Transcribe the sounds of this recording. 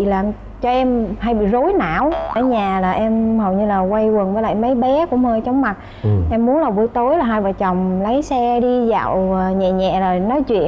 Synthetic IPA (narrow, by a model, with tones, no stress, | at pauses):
laː˨˩m | t͡ɕɔ˧ʔɛ˧mha˧jɓḭ˧˨zo˨˦jna̰ː˧˨wə˧˩˦ɲaː˨˩laː˨˩ʔɛ˧mhə˨˩wɲɨ˧laː˨˩kwa˧jwə˨˩nvəː˨˦jla̰ː˧˨jmə˨˦jɓɛ˨˦kʊ̰˧˥ŋ͡mhəː˧jt͡ɕɔ˨˧wŋ͡mma˨˩t̚ | ʔɛ˧mːu˨˦ənlaː˨˩wvu˧˩˦t̪o˨˦jlaː˨˩ɦaː˧jvaː˨˩t͡ɕa˨˩wŋ͡mlə˨˦jsɛ˧ɗi˧za̰ː˧˨wɲɛ̰˧˨ɲɛ̰˧˨laː˨˩nɔ˨˦jt͡ɕwḭ˧˨ə˨